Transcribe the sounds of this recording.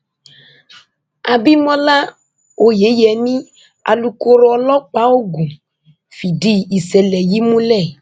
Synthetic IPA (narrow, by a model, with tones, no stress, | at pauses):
a˨bi˦mɔ̃˦la˦ | o˨je˨˦jɛ˨nĩ˦ | a̰˨lu˨ko˦ɾo˦ɔ˨lɔ˦k͡pa˦wo˦ɡũ˨ | fi˨ɖi˦i˨sɛ˨lɛ˨ji˦mũ˦lɛ˦˨